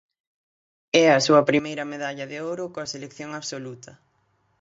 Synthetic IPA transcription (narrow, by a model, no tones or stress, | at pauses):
ɛɐsuɐpɾimejɾɐmeðaʎɐðɪoɾʊkoɐselekθjoŋaβsolut̪ʰɐ